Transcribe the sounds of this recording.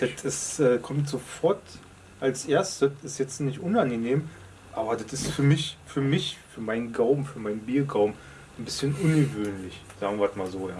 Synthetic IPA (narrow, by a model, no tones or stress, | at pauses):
d̥ɐtʰɪsʔɛːkʰɔmtz̥ofɔɐt | ʔalsʔeːɐstəɪstjɛt͡stnɪçtʔʊnanɡəneːm | ʔaːbɐdatɪstfyːɐmɪçfyːɐmɪçfyːɐmaɪnənɡaʊbm̩fyːɐmaɪnənbiːɐɡaʊbm̩ | n̩bɪsçənʔʊnɡəvøːnlɪç | z̥aːɡŋ̩viːɐtmaːlzoːjaː